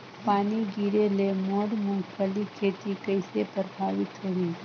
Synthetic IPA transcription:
paːniɡiːɾelemoːɽmʊ̃ŋɡpʰəlikʰeːt̪ikəɪsepəɾbʱaːʋɪt̪ɾɐɦĩ

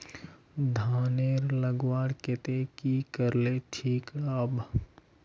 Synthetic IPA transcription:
d̪ʱaːneɾləɡwaːɽkɪt̪ekikəɾleʈʰiːkɽab

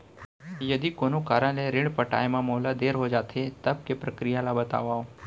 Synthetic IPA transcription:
jəd̪ikonokaɾəɳleɾɪɳ̃pəʈa̰jmãmɔɦlad̪eɾɦod͡ʒat̪ʰet̪əb̚kepɾəkɾijalabət̪a̰ʋao

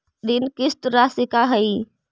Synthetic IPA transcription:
ɗ̪ɪnkɪst̪ɾasɪkaɦəi

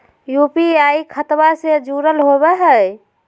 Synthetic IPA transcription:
jupiaikʰət̪based͡ʒuɾəlɦobɛɦəj

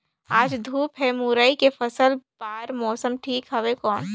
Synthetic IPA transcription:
aːd͡ʒd̪ʱuːpɦɛmuɾaːikefɐsəlb̥aːɾmɔːsəmʈʰiːkɦɐʋekɔːn

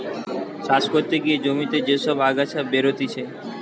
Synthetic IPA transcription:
ʃaʃkoɾt̪ːeɡied͡ʑomit̪ed͡ʑeʃɔbaɡat͡ɕʰabeɾot̪it͡ɕʰe

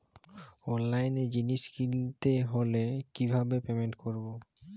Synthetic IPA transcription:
ɔnlajned͡ʑiniʃkilt̪eɦolekibʱabepemeɳʈkoɾbo

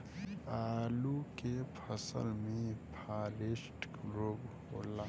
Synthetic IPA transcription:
aːlukepʰəsə̰lmẽpʰaːlesʈ | ɾobhoːla

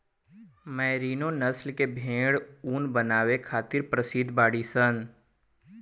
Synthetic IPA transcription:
mɛ̃ːɾiːnonəslkebʱẽːɽuːnbənaːʋekʰaːt̪ɪɾpɾəsɪd̪ʱbaːɽisən

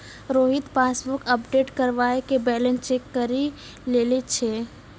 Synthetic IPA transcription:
ɾoːɦɪt̪paːsbʊkəpɖeːʈkəɾʋaːekebɛːlə̃nst͡ʃeːkːəɾi | leːlet͡ʃʰeː

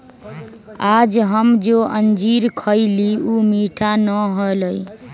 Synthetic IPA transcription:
ad͡ʒɦəmd͡ʒoʔənd͡ʒiɾkʰəɪliumiʈʰanəɦoləj

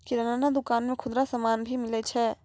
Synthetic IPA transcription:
kiɾɐnaːnad̪ʊkaːnmẽkʰʊd̪ɾasɐmaːnbʱimɪlet͡ʃʰɛː

